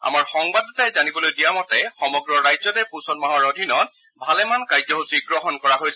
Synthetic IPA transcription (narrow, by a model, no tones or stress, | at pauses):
a̰maɹxɔŋbadɔtajzanibɔlojdijamɔtɛxɔmɔɡɹɔɹajzɔtɛpusɔnmaɦɔɹodʱinɔt | bʱalɛmankajzɔɦusiɡɹɔɦɔnkɔɹaɦojs